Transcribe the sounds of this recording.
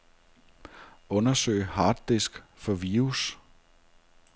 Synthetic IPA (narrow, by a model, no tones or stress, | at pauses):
ɔ̽nɐsø̰ɪ̰hɑ̈ːd̥ːesɡ̥fɒ̽ʋiːus